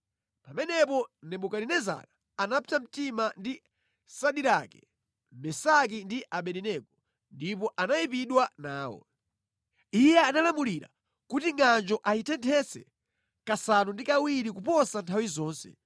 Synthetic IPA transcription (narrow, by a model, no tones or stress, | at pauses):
pamɛnɛpɔnɛɓukaɾinɛza̰ɾa | anapitam̩timandi | saɗiɾakɛ | mɛsak̬indiʔaɓɛɾinɛkɔ | ndipɔʔanaipiɗwanaːwɔ̰ | ijɛanalamuliɾa̰ | kutiŋand͡ʒɔʔaitʰɛntʰɛsɛ̰ | kasanundikawiɾikupɔsantʰawizɔːnsɛ̰